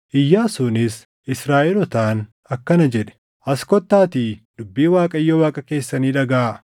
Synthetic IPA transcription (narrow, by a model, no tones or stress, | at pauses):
ʔɪjːaːsʊnɪs | ʔɪsɾaːʔɪlɔt̪aːn | ɐkːɐnɐd͡ʒɛᶑɛ̥ | ʔɐskɔt̪ːaːt̪iːd̪̥ʊbːiːwaːkʼɐɪjːɔwaːkʼɐke̞ːsːɐniːᶑɐɡaː